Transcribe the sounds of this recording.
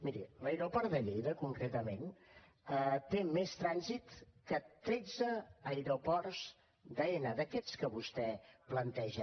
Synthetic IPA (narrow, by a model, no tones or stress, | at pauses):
miɾḭləjɾopɔɾd̪əʎijðəkuŋkɾet̪əmen | ət̪emest̪ɾanzit̪kət̪ɾɛd͡zəːjɾopɔrz | d̪əenəðəkɛt͡skəβust̪ɛplənt̪ɛʒə